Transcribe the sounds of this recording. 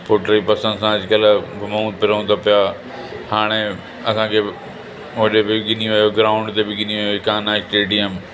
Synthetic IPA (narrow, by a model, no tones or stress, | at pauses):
poːʈəɾipɐsə̃nsãɐd͡ʒkəlmouːd̪̚pɪɾəũnd̪apɪja | haːɽ̃e | ɐsãkʰe | ʋɐɗebɪɡɪniʋɐjoɡɾaːʊ̃ɳɖt̪ebɪɡɪniʋjokãːnaːɪsʈeːɖijəm